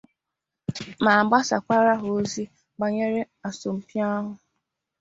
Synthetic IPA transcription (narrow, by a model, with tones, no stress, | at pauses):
ma˨ɡ͡ba˦sa̰˨kʷa˦ɾa˦ɦo˨˦zi˦ | ɡ͡ba˨ɲe˦ɾe˦ | a˨so˨m̩˨pja˦ɦʊ˨